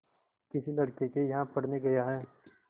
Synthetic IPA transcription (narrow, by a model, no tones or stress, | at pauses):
kɪsilɐɽkekejɐɦãpɐɽ̤neɡɐjaɦɛː